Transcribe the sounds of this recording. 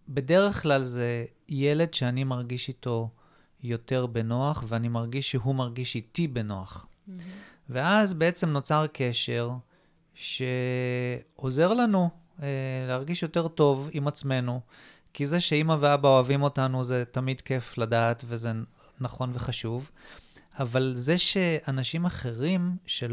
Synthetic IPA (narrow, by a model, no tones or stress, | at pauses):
be̞de̞ʁe̞χklalze̞ | jele̞dʃeanimaʁɡiʃito̞ | jo̞te̞ʁbe̞noaχveanimaʁɡiʃːeɦumaʁɡiʃitibe̞noaχ | veazbeet͡se̞mno̞t͡saʁkʰe̞ʃe̞ʁ | ʃe̞ | o̞ze̞ʁlanu | eleaʁɡiʃjo̞te̞ʁto̞vimat͡sme̞nu | kizeʃeimaveabao̞avimo̞tanuzetamidke̞fladaːtveze | naχo̞nveχaʃuv | avalze̞ʃe̞anaʃimaχe̞ʁimʃe